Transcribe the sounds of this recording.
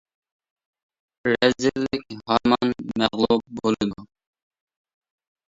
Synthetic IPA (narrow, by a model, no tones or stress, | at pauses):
ɾɛzɪlːɪkʲhɑmɑnmɛʁlˠub̚bolˠɨd̪u